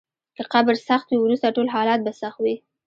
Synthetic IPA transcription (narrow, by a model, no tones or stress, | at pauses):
kəqabɾsaxt̪wiwɾust̪aʈolɦɑlɑt̪̚basaxt̪wi